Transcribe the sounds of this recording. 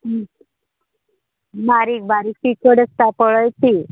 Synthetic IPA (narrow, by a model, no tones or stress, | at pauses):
baɾikbaɾiːk̚pikəɖəst̪apəɭəjt̪i